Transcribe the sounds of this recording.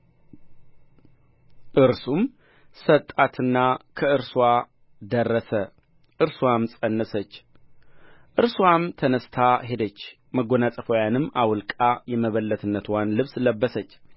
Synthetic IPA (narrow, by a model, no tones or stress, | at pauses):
ʔɨɾsum | sət̪ʼat̪ʰɨnːakʰəɨɾswa | d̪ərːəsə | ʔɨɾswamsʼənːəsət͡ʃː | ʔɨɾswamt̪ʰənəst̪ʰaɦe̞d̪ət͡ʃː | məɡonasʼəfojanɨmːʔawlkʼajɛməβəlːət̪ʰɨnːət̪ʰwanlɨβsləbːəsət͡ʃː